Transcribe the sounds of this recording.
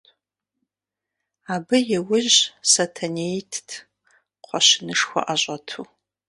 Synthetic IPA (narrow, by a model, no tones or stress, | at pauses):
aːbɨjɛwʊʑsɐtʰɐnejtʰtʰ | qʷɔɕɪnɨʂxʷɔ̰ʔaɕʷʼɐtʰuː